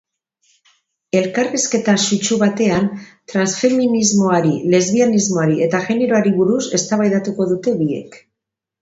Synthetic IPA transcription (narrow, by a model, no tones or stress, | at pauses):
e̞lkariske̞t̪asut͡ʃuβat̪e̞ant̪ɾansfe̞minizmo̞aɾile̞zβianizmo̞aɾie̞t̪aʝe̞ne̞ɾoaɾiβuɾuse̞st̪aβajðat̪uko̞ðut̪e̞βie̞̰k